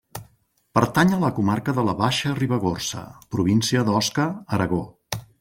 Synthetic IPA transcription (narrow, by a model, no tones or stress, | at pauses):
pəɾt̪aɲələkumarkəðələβaʃəriβəɣ̞orsə̰pɾuβ̞insiəðɔskəəɾəɣo